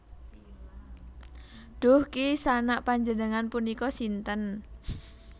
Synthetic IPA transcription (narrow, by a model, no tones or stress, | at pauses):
ɖ̥ʊhkisanaʔpaɲd͡ʒənəŋanpunikɔsint̪ən